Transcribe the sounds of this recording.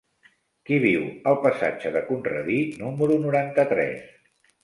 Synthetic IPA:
kiβiwəlˠpəsa̰d͡ʒəðəkunrə̰ðinuməɾunuɾant̪ət̪ɾɛ̰s

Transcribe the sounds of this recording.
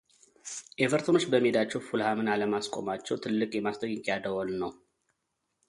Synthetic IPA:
ʔevəɾt̪ʰono̞t͡ʃːbəmːed̪at͡ʃːɛwfulhamɨnaləmaskʼo̞̰mat͡ʃːɛwt̪ʰɨlːɨkʼjɛmast̪ʰʼəjɪkjad̪əwolnəw

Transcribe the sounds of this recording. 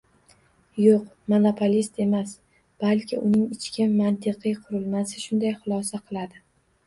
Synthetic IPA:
joq | monopʰolʲist̪e̞mas | b̥alkʲʰɪ̰ʔʊnɪŋɪt͡ʃkʲɪnmant̪ʰɪqʰɨjqʰʊɾɪlˠmasɪʃʊnd̪ajχʊlˠɒsaqʰɨlˠad̪ɪ

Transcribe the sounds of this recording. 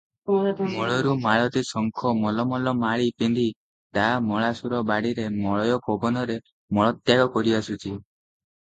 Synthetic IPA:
mɔɭɔɾumaɭɔt̪isɔŋkʰɔmɔlɔmɔlɔmaɭipend̪ʱi | t̪amɔɭasuɾɔbaɽiɾemɔɭɔjɔkʰobɔnɔɾe | mɔɭɔt̪jaɡɔkɔɾiasut͡ʃʰi

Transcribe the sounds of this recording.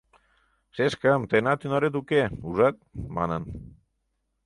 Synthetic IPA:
seskamt̪enat̪inaɾet̪̬ukeuzat̪ma̰nan

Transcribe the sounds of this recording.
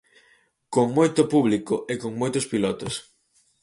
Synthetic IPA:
koŋmojt̪ʊpuβlikoʔekoŋmojt̪ʊspilɔt̪os

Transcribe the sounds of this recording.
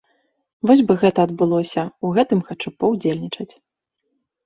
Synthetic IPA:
vɔzʲbɨɣɛt̪ɐːd̪̚bɨlˠɔsʲɐuɣɛt̪ɨmxat͡ʂupɐwd͡zʲelʲnʲit͡ʂɐt͡sʲ

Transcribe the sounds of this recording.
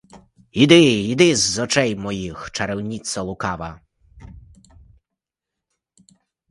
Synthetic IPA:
id̪ɪid̪ɪzːɔt͡ʃɛjmɔjixt͡ʃɐɾɛwnʲit̪sɔlˠʊkɑʋɐ

